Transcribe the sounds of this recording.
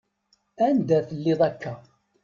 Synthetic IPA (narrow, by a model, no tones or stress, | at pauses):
ænd̪æθəlːɪðˤækʰːæ